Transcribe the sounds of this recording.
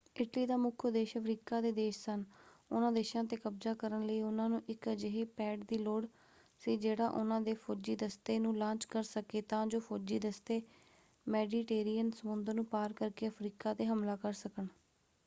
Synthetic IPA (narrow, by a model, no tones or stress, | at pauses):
ɪʈliːd̪aːmʊkʰəd̪eːʃəpʰɾiːkaːd̪eːd̪eːʃsənʊnãːd̪eːʃãːt̪eːkəbzaːkəɾənləiːʊnãːnũːʔɪkd͡ʒəɦeːpɛːʈd̪iːloːɽ | seːd͡ʒeːɽaːʔʊnãːd̪eːpʰoːd͡ʒiːd̪əst̪eːnũːlãːt͡ʃkəɾsəkeːt̪ãːd͡ʒoːpʰoːd͡ʒiːd̪əst̪eː | mɛːɖiːʈeːɾiːənsəmʊnd̪əɾnũːpaːɾkəɾkeːəpʰɾiːkaːt̪eːɦəmlaːkəɾsəkəɳ